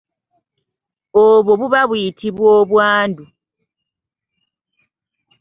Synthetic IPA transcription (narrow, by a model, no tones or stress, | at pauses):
oβoβuβaβwjitʰiβwoːβwaːndu